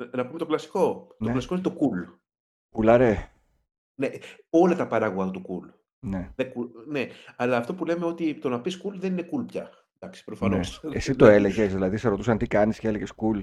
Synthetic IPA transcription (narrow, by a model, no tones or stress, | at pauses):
nɐpume̞t̪o̞klɐsi̥ko̞tnoeklɐsi̥koinet̪okul | kulɐɾe | ne | o̞lɐt̪ɐpɐɾɐɣuɣɐt̪ot̪ukul | neðekuneɐlɐːft̪o̞pule̞me̞o̞t̪it̪o̞nɐpiskulðeninekulpcɐ̰ | d̪ɐksi̥pɾofɐnoesesit̪o̞e̞le̞ʝezðilɐðiseɾo̞t̪usɐnt̪ikɐnisceeleʝeskul